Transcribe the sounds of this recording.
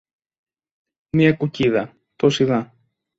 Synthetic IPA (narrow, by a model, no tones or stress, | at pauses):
miɐkuciðɐ | t̪osiðɐ